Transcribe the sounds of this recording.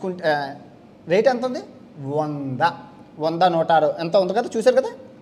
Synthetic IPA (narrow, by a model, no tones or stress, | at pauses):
kuɳʈ | ɾejʈent̪und̪i | ʋɔnd̪ɐʋɔnd̪ɐnɔːʈaːɾuent̪ɐund̪ɐkɐd̪aːt͡ʃuːsaːɾukɐd̪aː